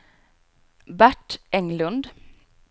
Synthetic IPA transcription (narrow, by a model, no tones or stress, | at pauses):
bæʈɛŋlʉnd̪